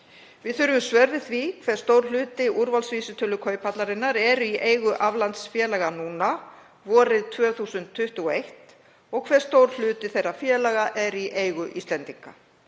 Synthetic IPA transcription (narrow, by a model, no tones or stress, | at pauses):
vɪðθʏɾʏvʏmsvœɾðɪθvikʰvɛɾ̥st̪owɾ̥lʏːt̪ɪʔuɾvalsviːsʏt̪ʰʏlːʏkʰœːɥjpʰat̪laɾɪnːaɾɛɾʏiʔeːjɣʏʔavlant̪sfjɛːlaɣanuːna | vɔːɾɪðt̪ʰvœːθuːsʏnt̪ʰːʏht̪ʏɣɔejht̪ | ɔɣkʰvɛɾ̥st̪oːwɾl̥ʏːt̪ɪθejrːafjɛːlaɣaʔɛɾiʔeːjɣʏʔist̪lɛnt̪iŋka